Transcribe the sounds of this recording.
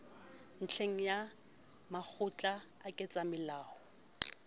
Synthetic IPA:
n̩t͡ɬʰeŋ̩ja | mak͡xʰʊt͡ɬʼa | akʼɪt͡sʼamɪlaːhɔ

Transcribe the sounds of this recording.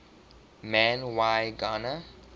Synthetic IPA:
mæ̃nwajɡɔnə

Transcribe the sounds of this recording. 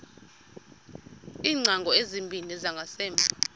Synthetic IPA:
iːŋ͡ǀʱaŋɡʱɔezimbʱinɛzaŋɡʱasɛːmbʱa

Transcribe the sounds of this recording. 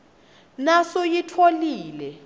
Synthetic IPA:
nasojitʰoliːlɛ

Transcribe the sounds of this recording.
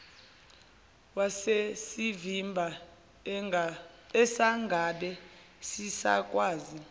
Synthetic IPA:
wasesivimbʱa | ɛsaŋɡʱaɓɛ | sisa̰kʼwaːzi

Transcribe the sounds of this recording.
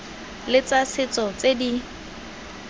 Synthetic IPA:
lɪt͡sasɪt͡sʼɔt͡sedi

